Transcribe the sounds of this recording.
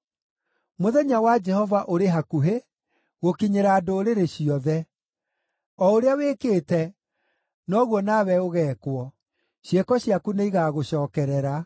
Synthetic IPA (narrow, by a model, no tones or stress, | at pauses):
moðɛɲawad͡ʒɛhɔvaʔoɾeɦakuɦe | ɣokiɲeɾaːdoːɾeɾeɕiɔðɛ | ɔoɾeaweːkeːtɛ | nɔɣwɔnaβɛoɣɛːkwɔ | ɕjekɔɕiakuneiɣaɣoɕɔːkɛɾɛɾa